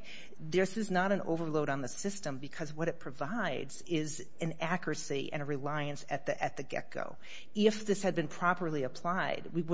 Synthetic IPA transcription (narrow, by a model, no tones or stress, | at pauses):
ðɪ˞sɨznəɾɨ̃no̰ʊvə˞loʊɾn̩ðɨsɪstə̃mbɨkʰʌzwʌɾɨt̚pʰɹ̥ɨvaɪdzɪz | ɨ̃nækɹɨsiʔɨ̰̃ñɨɹɨlaɪɨ̃nsɨt̪̚ðɨʔɨt̪̚ðɨɡɛ̰ko̰ʊ | ɪfðɪshɨd̚bɨ̃npʰɹ̥ɑpə˞lˠiɨpʰl̥aɪd̚wiw